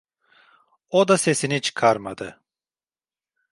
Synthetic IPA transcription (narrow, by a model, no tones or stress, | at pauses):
od̪ase̞sinit͡ʃʰɯ̥kʰaɾmad̪ɯ